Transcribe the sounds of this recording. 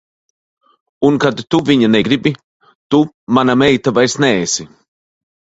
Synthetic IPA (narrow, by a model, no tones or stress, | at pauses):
unkad̪t̪uviɲanɛɡɾibi | t̪u | manamɛjt̪avajsnɛɛsi